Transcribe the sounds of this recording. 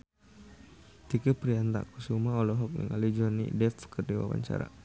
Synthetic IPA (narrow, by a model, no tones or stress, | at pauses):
t̪ikəpɾiant̪a̰ʔkusumaɔlɔɦɔk̚nḭŋalid͡ʒɔnḭdɛfkərdiwa̰paɲt͡ʃa̰ɾa̰